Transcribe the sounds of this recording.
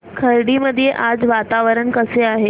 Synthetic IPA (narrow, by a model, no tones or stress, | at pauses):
kʰəɾɽiməd̪ʱːijeʔad͡zʋat̪aʋəɾəɳkəseaɦe